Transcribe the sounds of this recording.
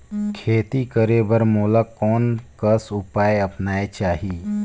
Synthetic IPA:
kʰeːt̪ikəɾebəɾmuːləkːɔːnkəsʊpaːeɐpnaːet͡ʃaːɦiː

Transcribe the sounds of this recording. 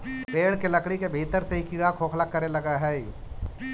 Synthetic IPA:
peːɽkelɐkɽikebʱeːt̪əɾseɦikiːɽakʰoːkʰlakɐɾelɐɡaɦɛːi

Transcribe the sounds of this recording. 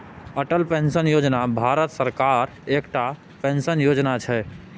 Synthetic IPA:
əʈəlpẽnsənjod͡ʒnabʱaɾət̪səɾkaɾ | ekʈa | pensənjod͡ʒnat͡ʃʰɛ

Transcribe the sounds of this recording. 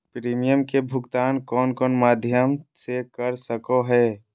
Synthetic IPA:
pɾiːmijəmkebʱʊɡt̪aːnkɔːnkɔːnmaːd̪ʱjəmsekəɾsəkoɦɛː

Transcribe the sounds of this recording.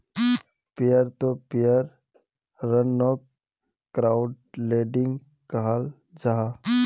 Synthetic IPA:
pɪjəɾt̪opɪjəɾ | ɾənːɔːk | kɾaːʊɖ | leːɖɪ̃ŋɡ | kaɦal | d͡ʒaɦa

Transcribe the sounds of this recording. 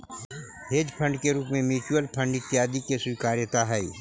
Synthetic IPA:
ɦeːd͡ʒpʰə̃ɳɖkeɾuːpmẽmjuːt͡ʃuəlpʰə̃ɳɖɪt̪ːjaːd̪ikeswikaːɾjət̪aɦɛi

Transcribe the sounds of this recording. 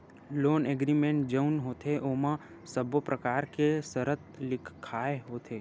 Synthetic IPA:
loːneɡɾimẽɳʈ̚d͡ʒəʊnɦoːt̪eʔoːmã | səbopɾɐkaːɾkesəɾət̪lɪkʰkʰːaːeɦoːt̪ʰeː

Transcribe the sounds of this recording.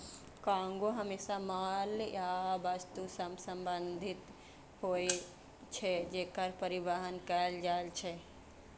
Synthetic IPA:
kãŋɡoɦəmesamaljabəst̪usəmsəmbənd̪ʱit̪ | hoj | t͡ʃʰɛd͡ʒeːkəɾpəɾiʋəɦənkəld͡ʒaelt͡ʃʰɛ

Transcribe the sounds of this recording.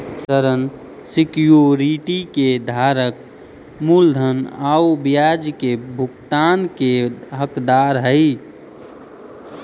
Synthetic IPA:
səɾən | sɪkjoɾiʈiked̪ʱaɾək | muld̪ʱənaːubijad͡ʒkebʱʊkt̪aːnkeɦəkd̪aɾɦəɪ

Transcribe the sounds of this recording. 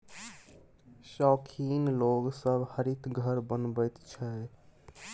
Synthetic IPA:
ʃɔːkʰiːnloːɡsəbʱhəɾit̪ɡʱəɾbənbət̪t͡ʃʰɛ

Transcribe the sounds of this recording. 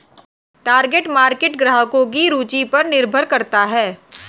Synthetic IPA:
ʈaːɾɡeːʈmaːɾkeːʈɡɾaːɦəkõk̬iɾuːt͡ʃipɐɾnɪɾbʱəɾkɐɾt̪aɦɛː

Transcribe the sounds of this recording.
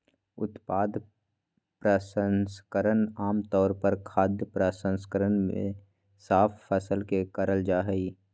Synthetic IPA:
ʊ̰t̪paːd̪ | pɾəsənskəɾənaːmt̪ɔːɾpəɾkʰaːd̪jəpɾəsə̃nskəɾənmḛ̃ | saːpʰːəsəlkekəɾəld͡ʒaːɦəiː

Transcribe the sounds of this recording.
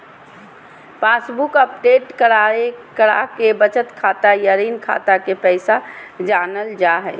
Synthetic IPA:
pãːsbukəpɖeːʈkəɽaekəɽa̰kebət͡ʃət̪kʰaːt̪ajəɾiːnkʰa̰ːt̪akepɛɪsad͡ʒaːnəld͡ʒaɦɛː

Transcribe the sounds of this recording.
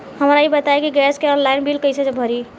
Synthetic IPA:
həmɾaibət̪aekiɡɛskeɔnlainbilkəjt͡ʃʰed͡ʒebʱəɾi

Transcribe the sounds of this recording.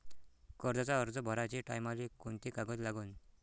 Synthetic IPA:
kəɾd͡zat͡saəɾd͡zəbʱɔɾat͡ɕiːʈa̰jmalikunt̪ikaɡət̪laɡuːn

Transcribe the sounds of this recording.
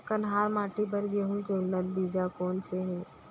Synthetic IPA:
kɐnɦaːɾmaːʈibɐɾɡeːɦũkenəlbiːd͡ʒakɔːnseɦɛ̃ː

